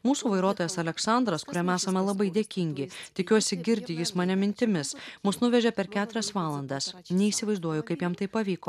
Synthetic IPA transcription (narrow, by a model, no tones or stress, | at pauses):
muːsuːʋɐɪɾuɔt̪oːjɛsɐlʲɛksɐˑnd̪ɾɐskʊɾʲɛmæːsɐmʲɛlˠɐbɐɪd̪ʲeːkʲɪŋʲɡʲɪt̪ʲɪkʲuɔsʲɪɡʲɪɾʲd̪ʲɪjɪsmɐnʲɛmʲɪnʲt̪ʲɪmʲɪsmʊsnʊʋʲɛʒʲɛpʲɛɾkʲæːt̪ʊɾʲɛsʋɑːlˠɐnd̪ɐsnʲɛiːsʲɪʋɐɪzd̪uɔjʊkɐɪpjɛmt̪ɐɪpːɐʋʲiːkoː